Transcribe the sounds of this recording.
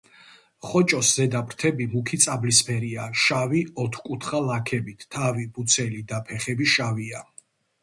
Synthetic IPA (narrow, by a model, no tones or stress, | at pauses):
χɔt͡ʃʼɔszɛd̪apʰɾt̪ʰɛbimukʰit̪sʼablispʰɛɾiaʃaviɔt̪ʰkʼut̪ʰχalakʰɛbit̪ʰːavibut̪sʰɛlid̪apʰɛχɛbiʃavia